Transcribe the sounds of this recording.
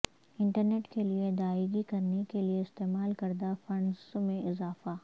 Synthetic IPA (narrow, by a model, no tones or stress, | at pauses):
ɪ̃ɳʈəɾneːʈkelied̪aːɪɡikɐɾnekelieɪst̪eːmaːlkɐɾd̪afɐ̃ɳɖzmẽʔɪzaːfaː